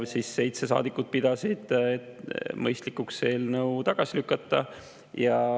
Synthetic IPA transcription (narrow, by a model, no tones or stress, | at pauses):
siːsːe̞jt̪sesɑ̰ːd̪ikːˑud̪̥̚pid̪̥ɑsid̪̥et̪mɤjst̪likːukse̞ːlnəwt̪ɑɡ̥ɑsilykːˑɑt̪ˑːɑ | jɑ